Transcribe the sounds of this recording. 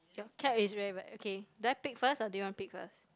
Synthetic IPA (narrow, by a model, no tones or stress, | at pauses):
jɔkʰɛpisɹɛbaokʰeduaɪpik̚fəsadujuwɔ̃npik̚fə̰s